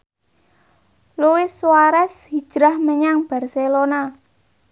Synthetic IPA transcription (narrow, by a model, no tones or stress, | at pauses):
luwɪsuwaɾɛshi̥ʒ̥ɾahməɲaŋb̥a̤rselona